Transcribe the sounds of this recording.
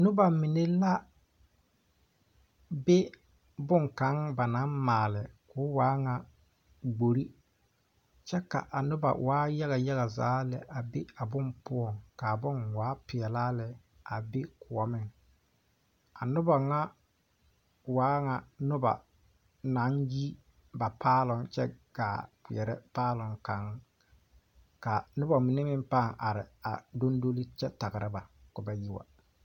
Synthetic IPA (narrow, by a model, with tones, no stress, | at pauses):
nʊ˦ba˨mɪ˨ne˦la˦ | be˦ | bʊ˦ŋka˨˦ŋba˨na˨˦nmaː˨lɪ˨kʊː˨˦waː˨˦ŋa˨ | ɡ͡bo˨ɾi˦ | t͡ʃɛ˦ka̰˨ʔa˨nʊ˦ba̰˨waː˨˦ja˦ɣa˨ja˦ɣa˨za̰ː˨˦lɛ˨ʔa˨be˦a˨bʊ˦mpʊ˦ɔ˦˨ŋka˨bʊ˦nwaː˨˦pɪ˨ɛ˨laː˦lɛ˨ | a˨be˦kʊ˨ɔ˨mɪ˦ŋ | a˨nʊ˦ba˨ŋa˦ | waː˨˦ŋa˨nʊ˦ba̰˨ | na˨˦nji˦ | ba˨paː˦lʊ˨ŋt͡ʃɛ˦ɡ̥aː˨kɪ˨ɛ˨ɾɛ˦paː˦lʊ˨ŋka˨ŋ˦ | ka˨nʊ˦ba˨mi˨nɛ˦mɪ˦m˦pa˦˨ŋʔa˨ɾɪ̰˨a˨do˦ndo˦li˦t͡ʃɛ˦ta˨ɣɪ˨ɾɪ˦ba˨kʊ˨ba˨ji˦wa̰˨